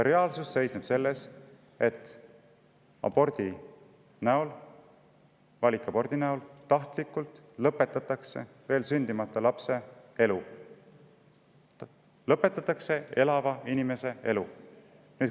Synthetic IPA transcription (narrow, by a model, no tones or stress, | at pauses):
eɾɑːlsusːe̞jsneb̥se̞lːe̞s | e̞t̪ːˑ | ɑ̰bo̞rd̪̥i | næul | vɑlʲikːˑɑpo̞rd̪inæult̪ɑht̪likːˑult̪ | lɤpːˑe̞t̪ːˑɑt̪ːˑɑkse̞̰ | ve̞ːlsynʲd̪̥imɑt̪ˑːɑlɑpse̞e̞lu | lɤpːˑe̞t̪ːˑɑt̪ːˑɑkse̞e̞lɑvɑinime̞se̞e̞lu | nyːt̪